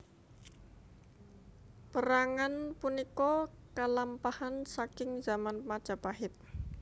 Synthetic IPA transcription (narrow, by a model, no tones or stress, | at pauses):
pəɾaŋanpunikɔ | kalampahansakɪŋzamanmad̥ʒ̥a̤paɦɪt̪̚